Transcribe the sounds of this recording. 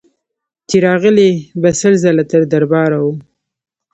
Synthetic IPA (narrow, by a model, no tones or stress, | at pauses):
t͡ʃ̪iɾɑɣəlebasəlzalat̪əɾd̪aɾbɑɾawu